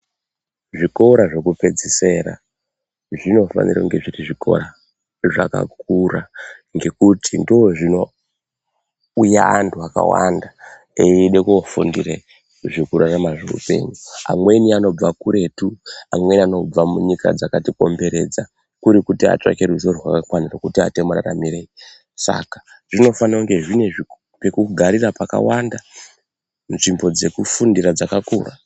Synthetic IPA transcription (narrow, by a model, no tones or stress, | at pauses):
ʐiko̞ɾaʐe̞kupe̞d͡zise̞ɾa̰ | ʐino̞fa̰niɾaŋɡe̞ʐiriʐikʰo̞̰ɾa | ʐa̰ka̰k̚uraŋɡe̞kutindooʐino̞ | ujaːntuaka̰wa̰nda | eiɗekuofundire | ʐikuɾaramaʐeṵpe̞̰ːɲua̰mwe̞niano̞b͡vakuɾe̞tuamwe̞nano̞b͡vamuɲika̰d͡zakatiko̞̰mbe̞ɾe̞̰d͡za | kuɾikutia̰t͡ʃa̰ke̞ruzoruwa̰kakwanirakutia̰te̞mura̰ra̰mirei | sa̰kḁ | ʐ̥ino̞fanauŋɡe̞ʐine̞ʐi | pekuɡʱaɾirapaka̰wanda | nʐimbo̞d͡ze̞kufundirad͡zakakuːra̰